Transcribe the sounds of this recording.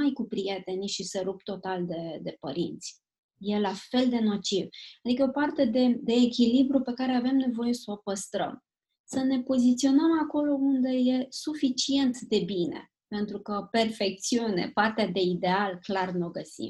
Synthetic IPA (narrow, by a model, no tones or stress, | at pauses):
ajkupɾije̞t̪e̞nʲʃiseɾub̚t̪o̞t̪ald̪e̞d̪e̞pəɾḭnt̪sʲ | je̞lafe̞ld̪e̞no̞t͡ʃivad̪ikəopart̪e̞d̪e̞d̪e̞ːkʲilibɾupe̞kaɾe̞ave̞mne̞vo̞je̞sopəst̪ɾə̰m | səne̞po̞zit̪sio̞nəmako̞lo̞und̪e̞je̞sufit͡ʃie̞nt̪d̪e̞bine̞̰ | pe̞nt̪ɾukəpe̞rfe̞k̚t̪siunḛpart̪ead̪e̞id̪e̞alklarnoɡəsḭm